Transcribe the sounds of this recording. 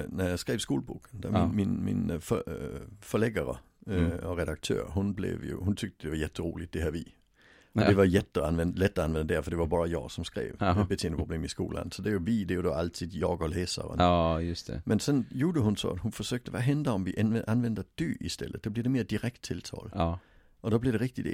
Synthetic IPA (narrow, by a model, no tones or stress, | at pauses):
næjaskʁeːʋskuːlbṵːkʰənd̥̪æminmɪ̰nf | fœlɛɡəɾə̰ | ɔʁɛd̪ak̚t̪ʰø̰ːɾɦʊnblḛvjʊ̰hʊnt̪ʰʏk̚t̪əd̥̪ɛvɑjɛt̪ʰːəɾʁuːlɪt̪̚d̥eɦæːʋi | ʔɔdeʋɑjɛt̪ʰːəanʋɛnd̪əlɛt̪ːɔanʋɛnd̪ədæfɔd̪evɑbɑːɾajɑ̰ːɡsɔmsɡ̥ʁḛːvet̪̚b̥ət̪ʰeːndəpʰʁʊbleːmiskṵːlʔa̰nsɔd̥̪ejʊvid̪ejʊd̪ɔʔalt̪ʰiːd̪jɑːɡɔlɛːsa̰ɾə̰nst̪mɛnsɛnjuːdəɦʊnsɔ̰æt̪hʊnfɔsøːk̚t̪ʰəʋaɦɛnd̪əɔmʋiʔʔanʋɛnd̪əd̪̥yʔist̪ɛ̰lːət̪̚d̥̪ɔbliɐd̪emeːɐd̪iʁɛk̚t̪ʰːɪlt̪ʰɑ̰ːl | ʔɔd̥̪ɔblid̪eʁɪk̚t̪ɪd̪e